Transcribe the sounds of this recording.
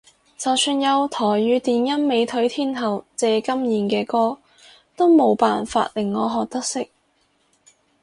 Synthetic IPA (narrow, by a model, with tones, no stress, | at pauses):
t͡sɐ˨wsyː˧njɐ˨˧wt̪ʰɔː˨˩jɥyː˨˧t̪iː˨njɐ˥nme˨˧jt̪ʰɵ˨˥ɥt̪ʰiː˥nhɐ˨˩wt͡sɛː˨˧kɐ˥mjiː˨˩nkɛː˧kɔː˥ | t̪o˥wmo˨˧˥wpaː˨nfa̰ː˧t̚lɪ˨˩ŋːɔː˨˧ɦɔː˨k̚t̪ɐ˥k̚sɪ˥k̚